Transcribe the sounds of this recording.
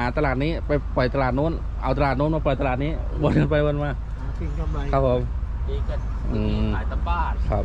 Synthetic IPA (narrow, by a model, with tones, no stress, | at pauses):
aː˩˦˥t̪a˧laː˨˩t̪̚niː˦˥pa˧jpɔ˨˩jt̪a˧laː˨˩nuː˧˥˨n | ʔa˧wt̪a˧laː˨˩t̪̚nuː˧˥nmaː˧pɔ˨˩jt̪a˧laː˨˩t̪̚niː˦˥wo˧nka˧npa˧jwo˧nmaː˧˩˧ | kʰa˦˥pʰːo˨˦mi˧a˧ | ʔɯː˧˨˦jt̪a˧baː˥˩kʰa˦˥p̚